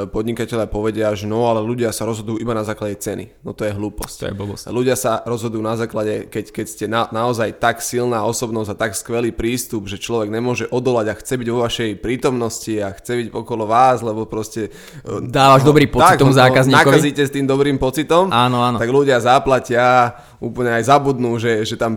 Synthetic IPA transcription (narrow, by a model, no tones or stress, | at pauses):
pɔd̪ɲikacɛʎɪapɔʋɛɟɪaʒɛnɔalɛluɟɪasaɾɔzɦɔd̪ʊjuːʔibanazaːklaɟɛt͡sɛnḭnɔt̪ɔjɛɦluːpɔscɛ̰ɔbɔsluɟɪasaɾɔzɦɔd̪ʊjuːnazaːklaɟɛkɛckɛcscɛnanaɔzajt̪aksilnaːɔsɔbnɔzɟat̪akskʋɛliːpɾiːst̪ubʒɛt͡ʃlɔʋɛɡɲɛmʊɔʒɛʔɔd̪ɔlaɟaxt͡sɛbiɟʋɔʋaʃɛjpɾiːt̪ɔmnɔsciaxt͡sɛbiɟɔkɔlɔʋaːzlɛbɔpɾɔscɛ | d̪aːʋaʒɔbɾiːmpɔt̪ikt̪ɔmzaːkkazɲinaaiziːcɛst̪iːmd̪ɔbɾiːmpɔt͡sit̪ɔmanɔant̪aɡluɟɪazaplacɪa | uːpl̩ɲɛajzabud̪nuːʒɛʒɛt̪am